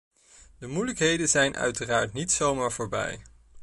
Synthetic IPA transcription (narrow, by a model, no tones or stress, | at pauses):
dəmujləkɦejdənzɛjnʔœ̰ɥtəraːɹtnitsowmaːɹvoːɹbɛ̰j